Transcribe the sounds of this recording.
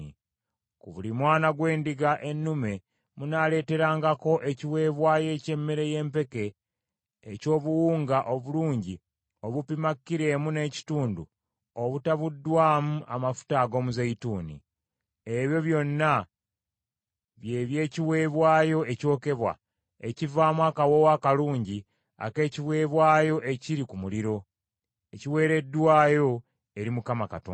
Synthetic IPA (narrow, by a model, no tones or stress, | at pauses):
kuβulimwaːnaɡwe̞ːndiɡaʔe̞nːume̞ | munaːle̞ːte̞ɾaːŋɡako̞ʔe̞ciwe̞ːβwaːje̞ce̞mːeɾe̞je̞ːmpe̞ke̞ː | co̞ːβuwuːŋɡaʔoβuluːɲɟi | oβupimakːiɾe̞ːmune̞ci̥tuːndṵ | oβutaβudːwaːmuʔamafu̥taːɡo̞ːmuzeituːnḭ | e̞βjo̞βjo̞nːa | βje̞ːβje̞ːciβwe̞ːβwaːjo̞ʔe̞co̞ːke̞βwa̰ | ecivaːmwakawo̞wakaluːɲɟi | a̰ke̞ːciβwe̞ːβwaːjo̞ʔe̞ciɾikumuliɾo̞ | eciwe̞ːɾe̞dːwaːjo̞ | e̞ɾimukamaka̰to̰ː